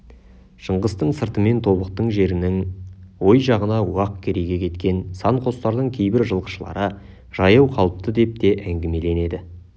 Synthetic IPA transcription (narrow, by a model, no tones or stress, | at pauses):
ʃəɴʁəst̪əɴsəɾt̪əme̞nt̪ʰo̞βəq̚t̪əɴʒe̞ɾɪnɪŋwo̞jʒɑʁənɑuɑq̚kʲʰe̞ɾe̞ɡʲe̞kʲʰe̞t̪kʲe̞nsɑɴqʰo̞st̪ɑɾd̪əɴkʲʰe̞jbɪɾʒəlˠqə̥ʃəlˠɑ̰ɾə | ʒ̥ɑjɑwqʰɑlˠəp̚t̪əd̪e̞p̚t̪e̞ʔæŋɡʲɪme̞le̞ne̞d̪ɪ